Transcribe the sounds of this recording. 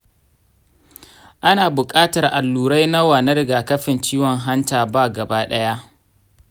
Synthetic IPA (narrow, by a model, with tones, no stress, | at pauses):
ʔa˦naː˨bʊ˨kʼaː˦tɐ˨rʔa˨lːuː˨ɾa˦jna˦waː˨na˦ɾɪ˨ɡaː˨kɐ˦ɸɪ˨nt͡ʃiː˦wɔ˨ŋɦa˦ntaː˨baː˦ɡɐ˨baː˦ɗɐ˦ja˦ʔ